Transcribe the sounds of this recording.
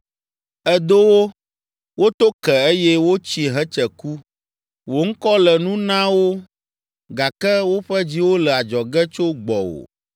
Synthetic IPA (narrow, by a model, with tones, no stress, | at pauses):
ɛ˦d̪o˦wo˦ | wo˦t̪o˦kɛ˨e˦jɛ˦wo˦t͡ɕi˦ɦɛ˦t͡ʃɛ˨ku˦ | wo˨ŋ̩˦kɔ˦lɛ˨nũ˦nã˦wo˦ | ɡa˨kɛ˦wo˦ɸɛ˦d͡ʑi˦wo˦lɛ˨a˨d͡ʒɔ˨ɡɛ˦t͡ʃo˦ɡ͡bɔ˨wo̰˨